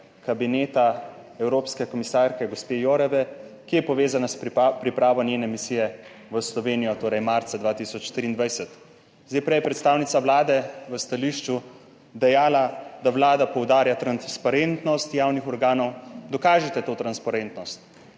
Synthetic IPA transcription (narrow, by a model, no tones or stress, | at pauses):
kabineːt̪a | ɛwɾoːpskɛkɔmisaːɾkɛɡɔspejoːɾɛʋɛkijɛpɔʋeːzanaspɾipɾaːʋɔnjeːnɛmisiːjɛ | ʋəslɔʋeːnijɔt̪oːɾɛjmaɾt̪sad̪ʋaːt̪isɔt͡ʃːt̪ɾiːnd̪ʋajsɛt̪ | zd̪ajpɾɛjɛpɾɛt̪st̪aːwnit̪saʋlaːd̪ɛʋəst̪aliʃt͡ʃu | d̪ɛjaːlad̪aʋlaːd̪apɔwd̪aːɾjat̪ɾanspaɾent̪nɔst̪jaːwnixɔɾɡaːnɔwd̪ɔkaːʒɛt̪ɛt̪oːt̪ɾanspaɾent̪nɔst̪